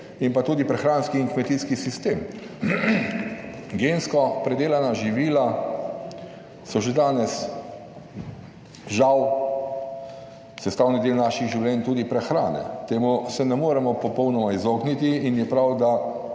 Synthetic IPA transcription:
impat̪uːd̪ipɾɛxɾaːnskiːŋkmɛt̪iskisist̪eːm | ɡeːnskɔpɾɛd̪eːlanaʒiʋiːla | sɔʒɛd̪aːnɛs | ʒaw | sɛst̪aːwnid̪eːlnaːʃiɣʒiwlɛːnt̪uːd̪ipɾɛxɾaːnɛ̰t̪eːmusɛnɛmoːɾɛmɔpɔpɔwnɔmaizoːɡnit̪iːnjɛpɾawd̪a

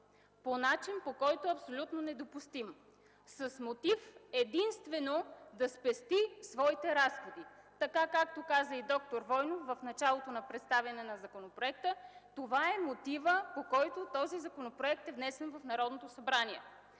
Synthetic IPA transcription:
ponat͡ʃinpokɔjt̪oɐpsolʲut̪nonɛd̪opust̪im | səsmot̪ifɛd̪inst̪vɛnod̪ɐspɛst̪isvɔit̪ɛɾasxod̪it̪ɐkakak̚t̪okazəid̪ɔkt̪oɾvɔjnofvəfnɐt͡ʃalˠot̪onɐpɾɛt̪st̪avʲjɐnɛnɐzɐkonopɾoɛk̚t̪ət̪ovaɛmot̪ivəpokɔjt̪ot̪ɔzizɐkonopɾoɛk̚t̪ɛvnɛsɛnvɐfnɐɾɔd̪not̪osɐbɾaniɛ

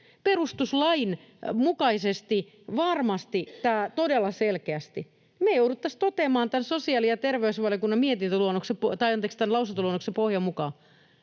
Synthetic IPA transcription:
perust̪uslɑin | mukɑisest̪i | ʋɑrmɑst̪it̪æːt̪odelːɑselkeæst̪i | mejouɾut̪ːɑst̪ot̪emɑːnt̪ænsosiɑːlijɑt̪erʋeysʋɑljokunːɑmmiet̪int̪øluonːoksepot̪ɑjɑnt̪ekst̪ænlɑusent̪oluonːoksepohjɑmukɑ

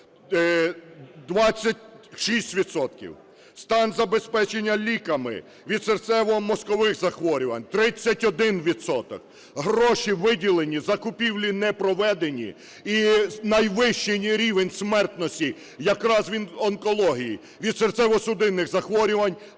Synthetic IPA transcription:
d̪ʋɑt͡sʲːɐt̚ʲʃisʲtʲʋʲid̪sɔt̪̚kʲḭw | st̪ɑnzɐbespɛt͡ʃe̞nʲːɐlʲikɐmɪ̰ | ʋʲid̪sert̪sɛʋɔmɔskɔʋɪxzɐxʋɔɾʲʊʋɐnʲt̪ɾɪt͡sʲːɐtʲɔd̪ɪnʋʲid̪sɔt̪ɔ̰k̚ | ɦɾɔʃiʋɪdʲilˠenʲizɐkʊpʲiwlʲinɛpɾɔʋɛd̪enʲḭ | inɐjʋɪʃt͡ʃenʲiɾʲiʋenʲsmɛrt̪nɔsʲtʲi | jɐkɾɑzʋʲinɔnkɔlˠɔɦʲijḭ | ʋʲid̪sert̪sɛʋɔsʊd̪ɪnːɪxzɐxʋɔɾʲʊʋɐnʲ

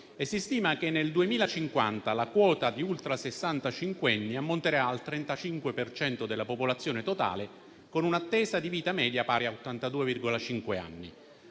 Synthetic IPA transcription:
esːist̪iːmak̟enːeld̪uemiːlat͡ʃiŋkwa̰nt̪alakwɔːt̪ad̪iult̪ɾasesːant̪at͡ʃiŋkweɛnːiamːont̪eɾaːlt̪ɾɛnt̪at͡ʃiŋkwepert͡ʃɛnt̪od̪elːapopolat̪sːjoːnet̪ot̪a̰ːle | konunat̪ːɛːzad̪iviːt̪amɛːd̪japaːɾeaot̪ːant̪ad̪uːevirɡolat͡ʃiŋkwea̰nːḭ

